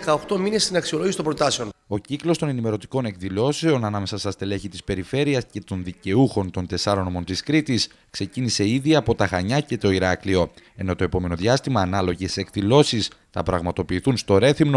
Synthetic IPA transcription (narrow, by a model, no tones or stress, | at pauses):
kɐoxt̪o̞mine̞st̪inɐksio̞lo̞ʝisit̪obɾo̞t̪ɐseo̞no̞ciklo̞st̪o̞ne̞nime̞ɾo̞t̪i̥ko̞ne̞kðilo̞se̞o̞nɐnɐme̞sɐsɐst̪ile̞çit̪i̥spe̞ɾife̞ɾiɐsce̞t̪o̞nðice̞uxo̞nt̪o̞nt̪e̞sɐɾonomo̞nt̪iskɾit̪is | kse̞cinise̞iðiɐpo̞t̪ɐɣɐɲɐce̞t̪o̞iɾɐklio̞e̞no̞t̪o̞e̞po̞me̞no̞ðʝɐst̪imɐːnɐlo̞ʝe̞se̞kðilo̞sisθɐ̰pɾɐɣmɐt̪o̞piːθunst̪o̞ɾe̞θimno̞